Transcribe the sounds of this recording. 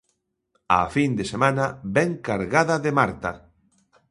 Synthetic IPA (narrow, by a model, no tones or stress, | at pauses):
a̰find̪esemãnɐbɛŋkaɾɣaðɐðemaɾt̪ɐ